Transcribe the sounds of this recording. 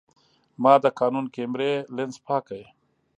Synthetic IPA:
maːd̪əkaːnunkemɾelenspʰaːkaj

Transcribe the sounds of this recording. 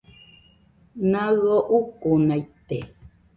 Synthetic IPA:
naɣoʔukunajt̪ːe

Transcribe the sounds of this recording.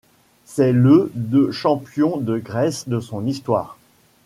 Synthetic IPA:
sɛləd̪øʃɑ̃pjɔ̃d̪əɡʁɛsd̪əsɔ̃nist̪wa̰ːʁ

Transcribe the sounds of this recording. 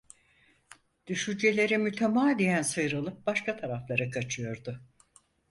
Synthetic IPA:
d̪̥yʃynd͡ʒe̞lʲe̞ɾimyt̪ʰemaːd̪ijænsɯjɾɯlˠɯp̚baʃkat̪ʰaɾaflˠaɾɯkʰat͡ʃʰɯjo̞ɾd̪ʊ

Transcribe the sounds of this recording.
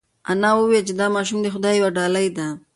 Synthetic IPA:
anɑwəwet͡ʃed̪ɑmɑʃ̬umd̪exʊd̪ɑjwaɖɑlajd̪a

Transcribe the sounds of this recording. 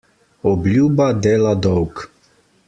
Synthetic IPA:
ɔblʲuːbad̪eːlad̪ɔwk

